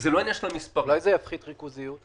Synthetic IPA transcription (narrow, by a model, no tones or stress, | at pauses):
zelanʲɛʃnɔmʲispɔlajzejafχit̪ʁikuzijut̪